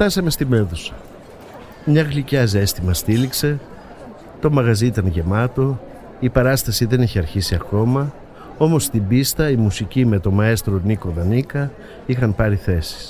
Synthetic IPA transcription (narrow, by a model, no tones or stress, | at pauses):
t̪ɐsɐme̞st̪ime̞θusɐ̥ | mɲɐɣlicɐze̞st̪imɐst̪ilikse̞ | t̪o̞mɐɣɐzit̪ɐnʝe̞mɐt̪o̞ | ipɐɾɐst̪ɐsiðe̞niçiɐɾçisiɐko̞mɐ | o̞mo̞st̪ibist̪ɐimusicime̞t̪o̞mɐe̞st̪ɾo̞niko̞ðɐnikɐ | ixɐnpɐɾiθe̞si̥s